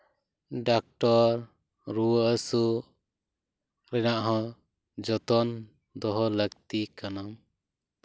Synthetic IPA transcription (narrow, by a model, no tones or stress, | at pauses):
ɖak̚ʈɔɾ | ɾuwəsu | ɾɛnaʔɦɔ̃ | d͡ʒɔt̪ɔn | d̪ɔɦɔləɡt̪ikanam